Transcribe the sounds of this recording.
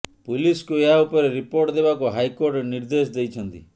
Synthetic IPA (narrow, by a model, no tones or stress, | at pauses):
puliskueɦaupɔɾeɾipoɾʈd̪ebakuɦajkoɾʈeniɾd̪esd̪ejt͡ʃʰɔnt̪ḭ